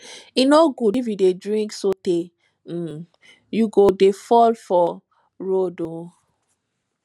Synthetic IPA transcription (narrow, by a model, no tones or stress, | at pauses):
inoɡudifjudedɹĩŋksote | juɡodefɔlfɔ | ɹodo